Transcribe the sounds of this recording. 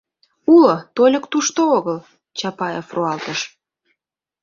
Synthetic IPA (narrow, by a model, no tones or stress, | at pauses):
ulot̪olʲə̆kt̪uʃt̪ooɣəl | t͡ɕɑpɑjefroɑlt̪əʃ